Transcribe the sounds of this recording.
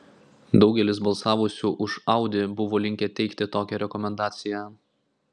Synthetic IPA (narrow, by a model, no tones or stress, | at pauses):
d̪ɒʊɡʲɛlʲɪsbɐlˠsɑːʋʊsʲuːʔʊʃɑˑʊd̪ʲɪbʊʋoːlʲɪŋʲkʲɛt̪ʲɛɪkt̪ʲɪt̪oːkʲɛɾʲɛkɔmʲɛnd̪ɑːt̪sʲɪjæ